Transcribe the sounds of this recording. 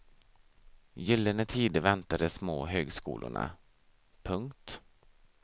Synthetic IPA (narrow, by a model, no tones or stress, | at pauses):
jʏlːənət̪ʰiːd̪əvɛnt̪ad̪əsmoːɦøːɡskṵːlʔʊ̰ɳa̰ | pʰɵŋkt̪